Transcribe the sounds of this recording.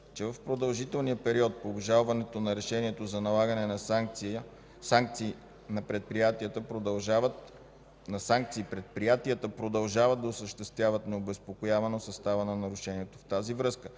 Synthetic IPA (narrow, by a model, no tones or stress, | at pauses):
t͡ʃɛvɐfpɾod̪ɐlˠʒit̪ɛlˠnijəpɛɾiɔt̪̚poːbʒalˠvɐnɛt̪onɐɾɛʃɛniɛt̪ozɐnɐlˠaɡənɛnɐsaŋk̪siə | aŋkt̪siː | nɐpɾɛt̪̚pɾijat̪iət̪əpɾod̪ɐlˠʒavət̪ | nɐsaŋk̚t̪siːpɾɛt̪̚pɾijat̪iət̪əpɾod̪ɐlˠʒavəd̪d̪ɐosəʃt̪ɛst̪vʲjavət̪nɛobɛspokojavɐnosɐst̪avənɐnɐɾʊʃɛniɛt̪oft̪azivɾɤskə